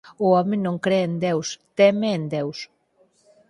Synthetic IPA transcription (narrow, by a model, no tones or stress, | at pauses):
ʊɔmenõŋkɾeend̪ewst̪ɛmeːnd̪ews